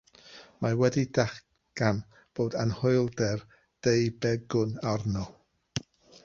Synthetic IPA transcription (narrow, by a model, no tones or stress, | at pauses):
mawɛdidaχ | ɡ̥an | b̥oːdanhʊɨlˠdɛr | d̥ejbɛɡʊnarnɔ